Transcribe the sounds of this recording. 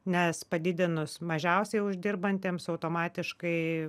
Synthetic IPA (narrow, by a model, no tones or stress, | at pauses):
nʲɛspɐd̪ʲɪd̪ʲɪnʊsmɐʒʲɛʊsʲɛɪʊʒʲd̪ʲɪɾbɐnʲt̪ʲeːmsɐʊt̪oːmɑːt̪ʲɪʃkɐɪ